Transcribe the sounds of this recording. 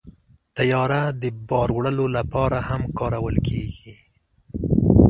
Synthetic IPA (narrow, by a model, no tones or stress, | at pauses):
t̪ajɑɾad̪əbɑɾwɽəlolapɑɾahamkɑɾawəlkʰeɡi